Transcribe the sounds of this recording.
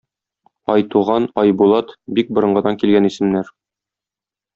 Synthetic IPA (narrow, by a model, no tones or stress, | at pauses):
ɒjt̪uʁɑnɒjbulˠɑt̪bik̚bɤ̆ɾɤ̆ɴɢɤ̆d̪ɑŋkilɡænisɘ̆mnæɾ